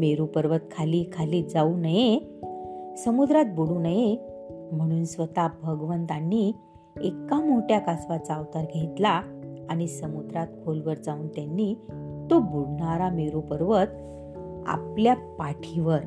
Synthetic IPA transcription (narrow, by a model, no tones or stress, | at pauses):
meɾupəɾʋət̪̚kʰaliːkʰaliːd͡zaunəje | səmud̪ɾat̪̚buɽuːnəje | m̤əɽ̃uːnsʋət̪abʱəɡʋənt̪anːi | ekamoʈjakasʋat͡saʋt̪aɾɡʱet̪laaɽ̃isəmud̪ɾat̪kʰolʋəɾd͡zauːnt̪janːit̪obuɽɳaɾameɾupəɾʋət̪ | a̰pljapaʈʰiʋəɾ